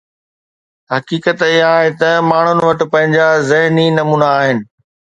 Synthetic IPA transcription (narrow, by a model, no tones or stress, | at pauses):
ɦɐkiːkət̪ɪɦãɦet̪ɐmaːɳ̤ʊn̆ʋɐʈɪ̆pɐ̃ɦɪ̃ɲd͡ʑazɪɦninɐmuːnaːɦɪnɪ̆